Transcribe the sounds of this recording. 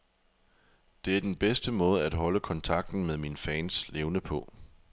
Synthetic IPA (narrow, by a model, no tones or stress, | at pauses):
d̥e̝æɐd̥enb̥esd̥əmɔ̽ːð̞ˠəæd̥ɦɒ̽ləkʰɒ̽nt͡sʰɑ̈ɡ̥̚d̥n̩meðˠminfɛːnsleʊnəpʰɔ̽